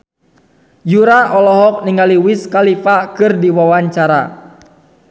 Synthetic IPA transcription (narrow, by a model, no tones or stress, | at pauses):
juɾaʔɔlɔɦɔk̚niŋaliwiskalifakɨrdiwawaɲt͡ʃaɾa̰